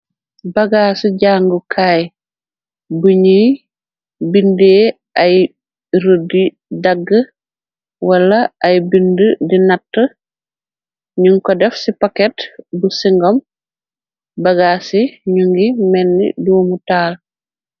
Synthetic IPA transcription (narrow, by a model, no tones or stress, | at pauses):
bɐɡaːsiɟaːŋɡukʰaːj | buɲij | bindeː | ɐj | ɾodi | dɐɡːə | wɐlːɐːjbindədinɐtːə | ɲuŋkɔdɛfsipakɛtbusiŋɡɔm | bɐɡaːsiɲuŋɡimɛnːḭduːmutaːl